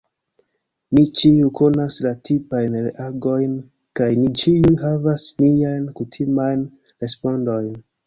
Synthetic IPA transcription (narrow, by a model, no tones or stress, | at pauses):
mit͡ʃiuko̞naslatʰipajnɾeʔaɡo̞jn | kajmit͡ʃiujɦavasmiajnkutʰimajn | ɾe̞spo̞ndo̞jn